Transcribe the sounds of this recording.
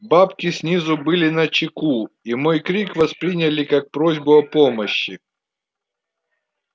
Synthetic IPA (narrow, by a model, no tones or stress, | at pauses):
bapkʲɪsʲnʲizʊbɨlʲɪnɐt͡ɕɪku | imojkɾʲikvɐspɾʲinʲɐlʲɪkak̚pɾozʲbʊɐpomɐɕːɪ